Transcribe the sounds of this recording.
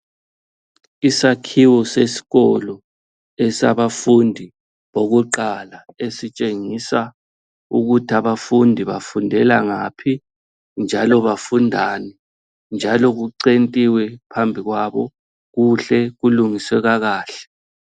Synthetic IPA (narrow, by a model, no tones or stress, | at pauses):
isakʰiwɔsesi̥ɣɔlɔ | ɛsa̰βafundʱi | βoɣuǃalaesit͡ʃʼeŋisa | uɣutʰiaβafundʱiβafundʱɛlaŋaːpʰi | nd͡ʒʱalɔβafundʱaːnɛ | nd͡ʒʱalɔɣuǀentʼiwɛpʰambʱiɣwaβɔ | ɣuɬɛɣuluŋisɛɣaɣaːɬɛ̥